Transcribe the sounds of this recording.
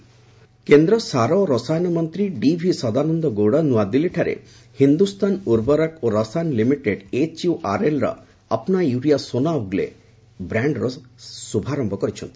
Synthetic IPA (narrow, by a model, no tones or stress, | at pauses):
kend̪ɾɔsaɾɔɾɔsajnɔmɔnt̪ɾiɖibʱisɔd̪anɔnd̪ɔɡowɽɔnuad̪iliʈʰaɾḛ | hind̪ust̪ʰanuɾbɔɾakoɾɔsajnlimiʈeɖet͡ʃjuʔaɾelɾɔ̰ | apɔnajuɾijasonauɡlḛ | bɾaɳɖɾɔsubʱaɾɔmbɔkɔɾit͡ʃʰɔnt̪i̥